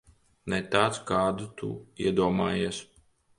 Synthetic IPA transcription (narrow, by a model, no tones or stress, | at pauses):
nɛt̪aːt̪skaːd̪ut̪ṵḭɛd̪uɔmaːjiːs